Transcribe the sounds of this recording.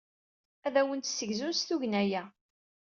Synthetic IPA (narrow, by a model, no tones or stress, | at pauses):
æðæwənt̪sːəʝzust̪uʝnæjæ